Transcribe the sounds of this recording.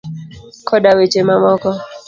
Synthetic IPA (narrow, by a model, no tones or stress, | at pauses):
kʰɔdawet͡ʃemamɔkɔ